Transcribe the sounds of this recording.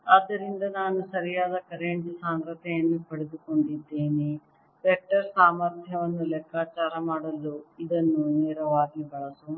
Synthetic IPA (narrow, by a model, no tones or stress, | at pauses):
aːd̪ːɐɾind̪ɐnaːnusɐɾijaːd̪ɐkɐɾeɳd͡ʒsaːŋɡɾɐt̪ɛjɐnːupɐɽed̪uko̞ɳɖid̪ːeːni | ɾɛk̚ʈɐɾsaːmɐɾt̪ʰjɐʋɐnːulɛkʰːaːt͡ʃaːɾɐmaːɽɐlːuid̪ɐnːunɛːɾɐʋaːɡibɐɭɐsu